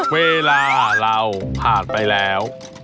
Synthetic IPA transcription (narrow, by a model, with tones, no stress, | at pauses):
weː˧laː˧ɾa˧wpʰaː˨˩npa˧jlɛː˦˥w